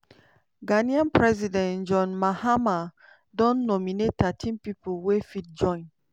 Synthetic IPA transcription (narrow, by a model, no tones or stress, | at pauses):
ɡaniãnpɹɛzidɛ̃nd͡ʒɔ̃nmahama | dɔ̃nːɔminettatʰĩnpipolwefit̚d͡ʒɔ̃ɪ̃n